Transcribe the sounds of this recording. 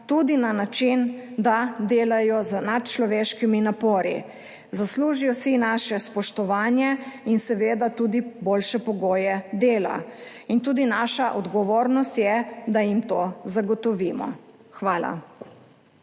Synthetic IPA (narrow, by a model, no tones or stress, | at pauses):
t̪uːd̪inanat͡ʃind̪ad̪eːlajɔzənat̪t͡ʃlɔʋeːʃkiminapoːɾi | zasluːʒijɔsinaːʃɛspɔʃt̪ɔʋaːnjɛinsɛʋeːd̪at̪uːd̪iboːlʃɛpɔɡoːjɛd̪eːla̰ | int̪uːd̪inaːʃaʔɔd̪ɡɔʋoːɾnɔst̪jɛd̪ajimt̪oːzaɡɔt̪ɔʋiːmɔ̰ | xʋaːla̰